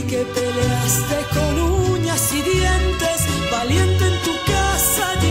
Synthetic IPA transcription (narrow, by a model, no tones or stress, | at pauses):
kepeleast̪e̞ko̞luɲasiðjent̪esβalje̞nt̪eent̪ukasaʎ